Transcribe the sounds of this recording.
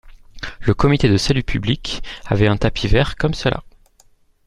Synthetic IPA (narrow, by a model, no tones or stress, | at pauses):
ləkɔmit̪ed̪əsalypʰyblikavɛɛ̃t̪apʰivɛʁkɔmsəlʔa̰